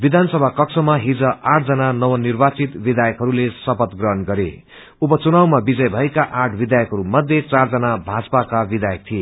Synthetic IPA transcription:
bid̪ʱansʌbʱakʌksʰʌmaɦid͡zʌʔaʈ̚ʰd͡zʌnanʌwʌnirbat͡sit̪bid̪ajʌkɦʌɾulesʌpʌt̪ɡrʌɦʌnɡʌɾḛ | upʌt͡sunawmabid͡zʌjbʱʌekaʔaʈʰbid̪ajʌkɦʌɾumʌd̪ʱjet͡sard͡zʌnabʱad͡zpakabid̪ajʌk̚t̪ʰie

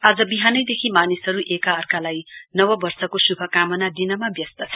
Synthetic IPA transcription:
ad͡zʌbiɦanʌjd̪ekʰimanisɦʌɾuʔekaʌrkalajnʌwʌbʌrsʌkosubʱʌkamʌnad̪inʌmabjʌst̪ʌt͡sʰʌ̥

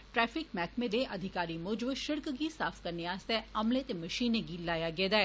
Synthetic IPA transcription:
ʈɾɛːfɪkmɛːkmẽd̪eʔɐd̪ʱɪkaːɾimʊːd͡ʒbʃɪɾkɡisaːfʰkɐɾneaːst̪ɛɐmlẽt̪emɐʃiːneɡilaːjaɡɛːd̪aɛː

